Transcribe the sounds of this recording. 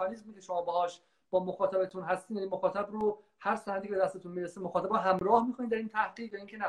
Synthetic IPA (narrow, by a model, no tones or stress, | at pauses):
ɒnizmikʰeʃomɒːbehɒːʃ | b̥ɒːmoxɒːt̪ʰæbet̪ʰunɦæst̪iːmjænimoxɒːt̪ʰæbɾo | hæɾsænæd̪icebed̪æst̪eunmiːɾesemoxɒːt̪æbɔɦæmɾɒːhmixoniːd̪æɾiːnt̪ʰæhɢiːʁjɒiŋcʰenæ